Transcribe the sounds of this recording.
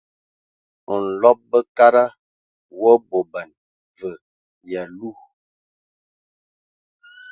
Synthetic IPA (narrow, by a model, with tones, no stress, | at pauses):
ɔ˨n̩˨lɔ˦p̚bə˦ka˦ɾa˦ | wɔ˦bo˨bə˨n | və˨ | ja˨lu˦˨